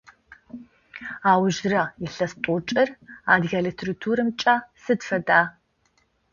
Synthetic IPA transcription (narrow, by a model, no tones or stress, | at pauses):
aːwʒrɐɪɬɐstʼʊt͡ʃʼɪra̰ːdɣʲɐlitʰritʰuːɾɨmt͡ʃʼaːsɨdfɐdaː